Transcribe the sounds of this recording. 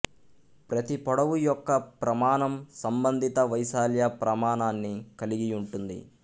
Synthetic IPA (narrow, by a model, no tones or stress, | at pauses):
pɾɐt̪ipɔɽɐʋujɔkːɐpɾɐmaːɳɐmsɐmbɐnd̪ʱit̪ɐʋɐjsaːljapɾɐmaːɳaːnːikɐliɡiuɳʈund̪ḭ